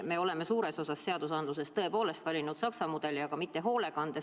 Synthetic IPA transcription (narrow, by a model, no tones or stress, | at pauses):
me̞o̞le̞mesuːɾe̞so̞sɑsːe̞ɑd̪̥usɑnd̪luse̞st̪ɤ̞e̞po̞ːle̞st̪vɑlʲinud̪̥sɑksɑmud̪̥e̞liɑɡ̥ɑmit̪ːe̞ɦo̞ːle̞kɑnd̪̥e